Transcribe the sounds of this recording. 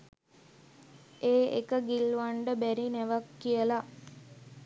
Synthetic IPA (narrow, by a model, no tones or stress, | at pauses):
eːḛkəɡilːuʋaɳɖəbæɾinæʋakːijəla